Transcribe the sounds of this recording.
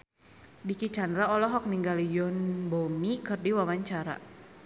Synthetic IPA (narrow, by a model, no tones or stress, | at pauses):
dikit͡ʃandɾaɔlɔɦɔk̚niŋɡalijʊnbomikɨrdiwamaɲt͡ʃaɾa̰